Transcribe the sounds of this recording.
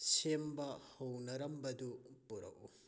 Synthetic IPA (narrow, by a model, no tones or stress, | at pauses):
sembɐhownɐɾɐmbɐdupuɾɐ̰ku